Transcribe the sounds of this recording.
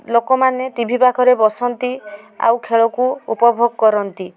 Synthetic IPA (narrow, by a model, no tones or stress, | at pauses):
lokɔmanet̪ibʱibakʰɔɾebɔsɔnt̪i | a̰wkʰeɭɔkuṵpɔbʱoɡɔkɔɾɔnt̪i